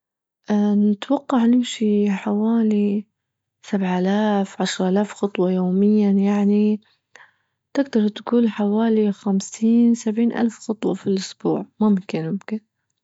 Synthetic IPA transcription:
ʔnɪt̪wɑqːɑʕnɪmʃiħawaːli | sabʕʔalaːfʕaʃɾˤʔalaːfxɑt̪ˤwɑjoːmɪjːajaʕni | t̪ɪɡd̪ɑɾˤt̪kuːlħawaːlixamsiːnsabʕiːnʔa̰lfxɑt̪ˤwɑfilʔʊsbṵːʕmʊmʊmkɪnmʊmkɪn

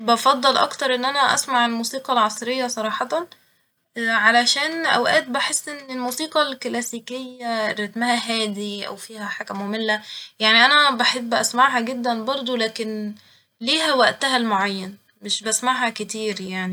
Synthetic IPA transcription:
bɑfɑd̪ˤːɑlʔɑ̰kt̪ɑɾˤʔenːʔænæʔæ̰smaʕelmuːsiːqɑlʕɑsˤɾejːɑsˤɑɾˤɑːħɑt̪ɑn | ʕalæʃæːnʔæ̰wʔæːt̪̚baħesːʔenːelmuːsiːqɑlklæsiːkejːæɾˤɑt̪mæhæɦæːd̪iʔæ̰wfiːhæħakæmomelːæjaʕniʔænæbaħebːʔæsmaʕɦæɡed̪ːænbɑɾˤd̪ˤolæːken | liːɦæwæʔt̪æɦælmoʕajːæn | meʃbæsmaʕhæket̪iːɾjaʕni

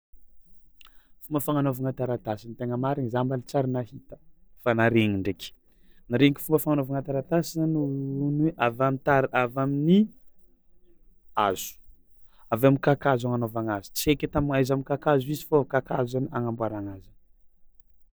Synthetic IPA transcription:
fumbəfaŋanovaŋat̪aɾat̪asinit̪eŋəmaɾiŋizambalit͡saɾinahit̪ə̥fanaɾeŋiɳɖ͡ʐekʲi̥ | naɾeŋiki̥fumbəfaŋanovaŋat̪aɾat̪asianuneʔavamit̪aɾiavamini | az̥u̥ | avamikakazaŋanovaŋazi̥t͡siekʲet̪amiŋajzamikakazuizifokakazaniaŋambwaɾaŋazə

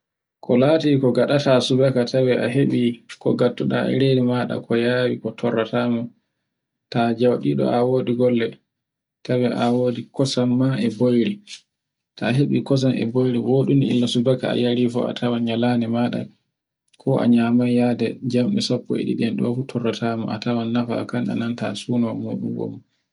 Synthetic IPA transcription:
kʰɔlatikɔɡaɗatasubakatʰawɛʔaɦeɓikɔ̰ɡatːuɗa̰ɛ̰ɾedimaɗa̰kʰɔjaːwikɔtʰɔrːatama | tad͡ʒawɗiɗɔ̰ʔawoːɗiɡɔlːɛ | tawɛʔawoːdikɔsamːaɛbojɾi | tʰaɦeɓikɔs̬anɛ̰bojɾiwoɗuniḭlːasubakaa̰jaɾifɔ̰a̰tʰawanɲalanɛmaɗa̰ | kʰɔʔa̰ɲamajjadɛd͡ʒamɗisapːɔ̰ḛɗḭɗɛnɗɔ̰futʰɔrːatʰaːmɔ̰ʔa̰tawanːafa̰kana̰nanta̰suːnɔmuɗuŋɡɔ̰m

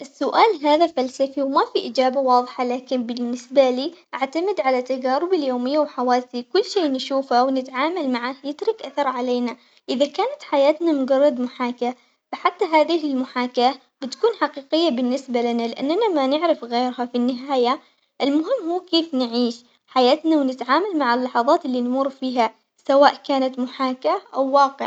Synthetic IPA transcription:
ʔɪsːʊʔaːlɦaːðafalsafiwmafiʔɪd͡ʒaːbawɑːðˤħalaːkɪnbɪnːɪsbaliːʔaʕt̪amɪd̪ʕalat̪ːaɡaːɾʊbɪljoːmɪjːawħawaːsikʊlːʃeːnʃuːfawnɪt̪ʕaːmalmaʕaːhjɪt̪ɾˤɪkʔaθɑɾˤʕaleːna | ʔɪðakaːnat̪ħajaːt̪namʊɡɑrˤːɑd̪mʊħaːka | faħat̪ːaɦaːðɪhɪlmʊħaːka | b̥ɪt̪kuːnħaqiːqɪjːabɪnːɪsbalɪnalɪʔanːanamanɪʕɾɪfɣeːɾhafinːɪɦaːja | ʔɪlmʊɦɪmːhuːkeːfnɪʕiːʃ | ħajaːt̪nawnɪt̪ʕaːmalmaʕalːɑħɑðˤɑːt̪ɪlːinmuːɾˤfiːɦa | sawaːʔkaːnat̪mʊħaːkaʔawːɑːqɪ̰ʕ

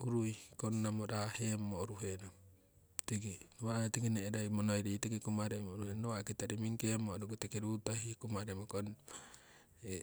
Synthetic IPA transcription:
uɾujkonːamoɾahemːoɾuɦena | t̪iɡinoβatiɡineːɾajmonojɾitekikumaɾemoɾuhennowakit̪aɾimiŋkemoɾuɡutekeɾutahikumaɾemokon | e

